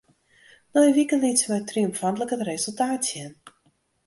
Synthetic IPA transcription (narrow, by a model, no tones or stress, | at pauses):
nɔjʋikəlitsəmɛtriɔmfantləkətrezəlˠtaːtsjɛn